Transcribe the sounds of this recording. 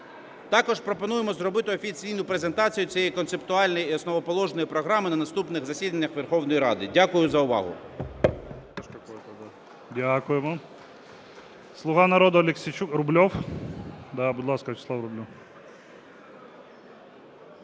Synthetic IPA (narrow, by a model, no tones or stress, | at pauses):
t̪ɑkɔʒpɾɔpɔnujemɔzrɔbɪt̪ɪɔfʲit͡sʲijnʊpɾe̞ze̞nt̪ɑt͡sʲijʊt͡sʲijɛjkɔnsep̚t̪ʊɑlʲnɔjiɔsnɔʋɔpɔlˠɔʒnɔjipɾɔɦɾɑmɪnɐnɐst̪upnɪɣzɐsʲid̪ɐnʲːɐxʋerxɔwnɔjiɾɑ̰d̪ɪdʲakʊjʊzɐʊʋɑ̰ɦʊ̰ | ɐʃkɐkɔt̪ɐd̪a | dʲakʊjemɔ | slˠʊɦɑnɐɾɔd̪ɔlʲeksʲit͡ʃukɾʊblʲɔw | d̪abʊd̪lˠɑskɐt͡ʃɪslˠawɾʊblʲu